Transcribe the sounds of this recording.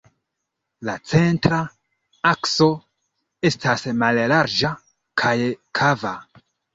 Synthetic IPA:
lat͡se̞ntɾa | akso̞ | e̞stasmallaɾd͡ʒa | kʰajkʰava

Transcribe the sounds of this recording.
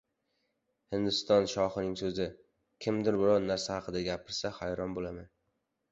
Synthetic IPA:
hɪnd̪ʊst̪ɒnʃɒχɨnɪŋsɵzɪ | kʲʰɪmd̪ɪɾbɪɾɒwnaɾsahɑqʰɨd̪aɡʲapʰɪɾsahajɾɒnbolaman

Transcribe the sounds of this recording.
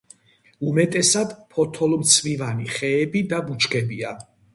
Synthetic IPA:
umɛt̪ʼɛsad̪pʰɔt̪ʰɔlˠmt̪sʰvivaniχɛːbid̪abut͡ʃʰkʰɛbia

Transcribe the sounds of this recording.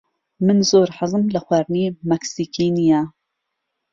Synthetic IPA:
mɨnzoːɾħɨzɨmlɐxwaːɾnimɐksiːkʰiːnija

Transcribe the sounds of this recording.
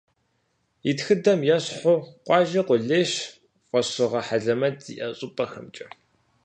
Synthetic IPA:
itxɨdɐmjɛɕħoqʷɑːʒɐqʷʊɮeːɕ | qʷɔɕɨʁɐħaɮɐmɐtiʔɐɕʼʊpʼɐxɐmt͡ʃʼɐ

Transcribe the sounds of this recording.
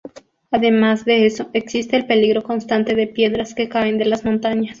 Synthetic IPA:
aðe̞mazd̪e̞eso̞ʔeksist̪e̞ːlpe̞liɣɾo̞ko̞nst̪ant̪e̞ðe̞pje̞ðɾaske̞kaend̪e̞lazmont̪aɲas

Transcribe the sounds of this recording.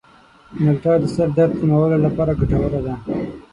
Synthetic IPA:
malʈɑːd̪əsaɾd̪aɾt̪̚kumawəlolapɑːɾaɡaʈawəɾad̪a

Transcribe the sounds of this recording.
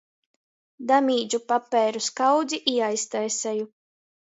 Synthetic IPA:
d̪amʲiːd͡ʒupapːɛːɾuskawd̪ziʔiɛajst̪ajsɛju

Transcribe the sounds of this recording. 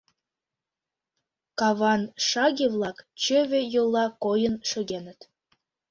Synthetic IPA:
kɑβɑnʃɑɣʲiβlˠɑkt͡ɕøβejolˠːɑkojənʃøɣenə̆t̪

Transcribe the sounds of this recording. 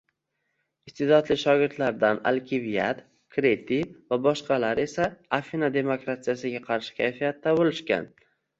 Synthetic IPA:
ɪst̪ʰed̪ɒd̪lɪʃɒɡʲɪɾt̪laɾd̪ana̰lkʲʰɪvijat̪ | kɾet̪ʰivabɒʃqɑlaɾe̞saːfinad̪e̞mokɾat̪ijasɪɡʲaqʰɑɾʃɪ̥kʲʰajfijat̪ːabolɪʃkʲa̰n

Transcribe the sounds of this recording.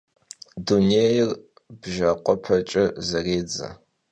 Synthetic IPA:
duneːjɪr | bʒɐqʷɔpʰɐt͡ʃʼɐzɐreːd͡zɐ̰

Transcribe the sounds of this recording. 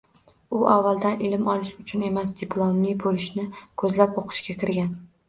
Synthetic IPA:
ʊʔavːalˠd̪anʔɪlɪmɒlɪʃʊt͡ʃʰʊne̞masd̪ɪplˠomːibolɪʃnɪkʰɵzlapoqʰɨ̥ʃɡʲakʲʰɪɾɡʲan

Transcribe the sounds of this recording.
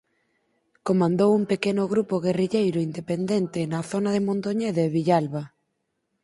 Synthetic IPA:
komãnd̪owuŋpekenʊɣɾupoɣeriʎejɾʊind̪epend̪ent̪ɪnaθonaðemõnt̪oɲeðeβiʎalβa

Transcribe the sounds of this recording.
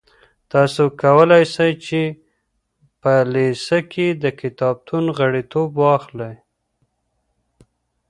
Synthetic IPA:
t̪ɑsokawəlajsajt͡ʃe | pəlesəkʰed̪əkɪt̪ɑb̚t̪ʰunɣəɽit̪obwɑxlaj

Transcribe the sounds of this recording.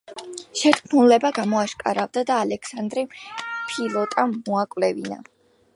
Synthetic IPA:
ʃɛt̪kʰnulɛbaɡamɔaʃkʼa̰ɾavd̪ad̪aːlɛkʰsand̪ɾipʰilˠɔt̪ʼamuakʼvlɛvina̰

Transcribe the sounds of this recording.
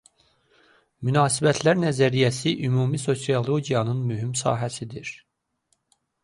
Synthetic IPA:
mynɑːsibæt̪ʰlæɾnæzæɾijæsiʔymuːmiso̞siolˠo̞ɟijɑnɯnmyɦimsɑ̰ːɦæsid̪iɾ

